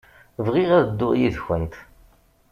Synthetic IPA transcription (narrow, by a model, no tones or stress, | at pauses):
vʁiʁæðəd̪ːʊʁjiðçənt̪